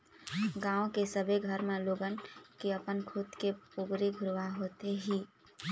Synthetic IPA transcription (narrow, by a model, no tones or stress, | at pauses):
ɡãːõkesəbʱeɡʱəɾmẽloːɡənkiəpənkʰut̪kepʊɡɾiɡʱʊɾʋaɦoːt̪eɦiː